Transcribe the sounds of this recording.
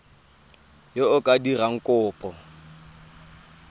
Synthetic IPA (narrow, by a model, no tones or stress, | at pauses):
jeʊkʼadiraŋ̩kʼʊːpʼɔ